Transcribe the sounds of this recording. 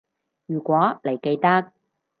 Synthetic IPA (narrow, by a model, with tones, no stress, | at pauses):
jyː˨˩kʷɔː˨˥le˨˩jke˧jt̪ɐ˥k̚